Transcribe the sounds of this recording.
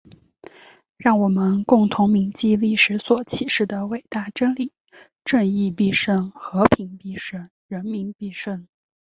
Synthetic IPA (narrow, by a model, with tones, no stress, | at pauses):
ɻɑ˥˩ŋwɔ˨˩mə˦nkʊ˥˩ŋt̪ʰʊ˧˥ŋmi˧˥ŋt͡ɕi˥˧li˥˩ʂɻ̩˧˥swɔ˨˩t͡ɕʰi˨˩ʂɻ̩˥˩d̪ə˩we˨˩ɪt̪a˥˩ʈ͡ʂə˥nli˨˩˦ | ʈ͡ʂwə˥˧ni˥˧pi˥˧ʂə˥˩nxɤ˧˥pʰi˧˥ŋpi˥˧ʂə˥˩n | ɻə˧˥nmi˧˥npi˥˧ʂə˥˩n